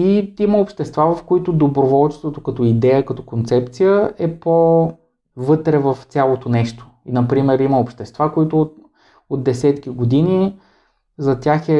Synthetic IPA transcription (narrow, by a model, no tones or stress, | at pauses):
iiməopʃt̪ɛst̪vavɐfkoit̪ʊd̪obɾovɔlˠt͡ʃɛ̥st̪vot̪okɐt̪ɔid̪ɛjəkɐt̪ɔkont̪sɛp̚t̪sijəɛpo | vɤt̪ɾɛvɐft̪sʲjalˠot̪onɛʃt̪o̥inɐpɾimɛɾiməopʃt̪ɛst̪vakoit̪ʊt̪ | od̪d̪ɛsɛt̪kiɡod̪ini | zɐt̪ʲjaxɛ